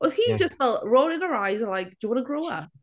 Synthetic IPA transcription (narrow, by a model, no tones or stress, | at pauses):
wɛlˠhid͡ʒʌstfɛlˠtɹoʊdɪ̃nəɹaɪzəlaɪk̚d̥əwɑnəɡɹoʊʌ̰p̚